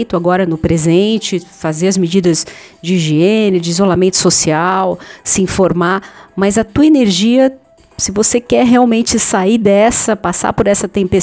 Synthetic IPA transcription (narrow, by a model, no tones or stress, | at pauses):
jt̪ʊaɡɔɾɐnʊpɾezẽnt͡ʃɪfazeɾɐzmed͡ʒid̪ɐz | d͡ʒɪʒeẽnɪɾʊd͡ʒɪizolamẽnt̪ʊ̥sosiawsɪĩfoɾmamɐzɐt̪uɐeneɾʒiɐ | sɪvosekɛɾɦeawmẽnt͡ʃɪsaid̪ɛsɐpasa̰poɾɛsɐt̪ẽpe